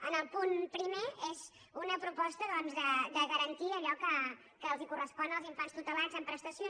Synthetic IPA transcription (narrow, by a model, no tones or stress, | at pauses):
ənəlˠpunpɾimeez | unəpɾupɔst̪əðɔnzðəd̪əɣəɾənt̪iəʎɔkə | kəːlˠzikurəspɔnəlˠziɱfanst̪ut̪əlazəmpɾəst̪əsio